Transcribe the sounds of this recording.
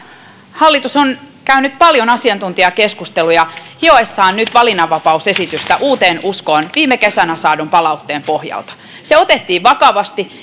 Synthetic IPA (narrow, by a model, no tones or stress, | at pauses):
hɑlːit̪uson | kæynyt̪̚pɑljonɑsiɑnt̪unt̪iɑkeskust̪elujɑhioesːɑːnnyt̪ʋɑlinɑʋːɑpɑusesit̪yst̪æʔuːt̪eːnuskoːnʋiːmːekesænæsɑːdumpɑlɑut̪ːeːmpohjɑ̰lt̪ɑ̥ | seot̪et̪ːiːʋʋɑkɑʋɑst̪i